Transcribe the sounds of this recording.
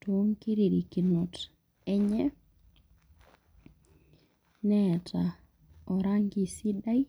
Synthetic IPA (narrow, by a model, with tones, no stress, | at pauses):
to˦ŋki˦ɾi˨ɾi˨ki˨no˨t | ɛ˦ɲɛ˦ | nɛ˨tʰa˨ | ɔ˨ɾaŋɡi˨si˦da˦i˦